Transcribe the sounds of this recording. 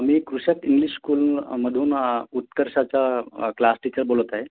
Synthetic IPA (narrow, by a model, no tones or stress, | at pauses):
miːkɾuɕat̪iŋɡliɕskuːlməd̪ʱuːnut̪kəɾɕat͡ɕjaklasʈit͡ɕəɾbolət̪aɦe